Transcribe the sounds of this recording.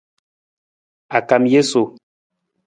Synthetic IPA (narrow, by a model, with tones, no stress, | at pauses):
a˨ka˨mje˦so˨